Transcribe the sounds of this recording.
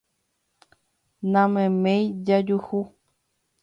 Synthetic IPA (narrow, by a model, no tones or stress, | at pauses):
nãmẽmẽjd͡ʒad͡ʒuhu